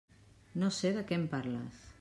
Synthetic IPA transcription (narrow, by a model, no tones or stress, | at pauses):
noseðəkempaɾla̰s